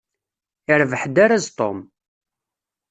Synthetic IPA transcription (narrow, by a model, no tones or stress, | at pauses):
ɪɾvəħd̪aɾazt̪ˤo̰m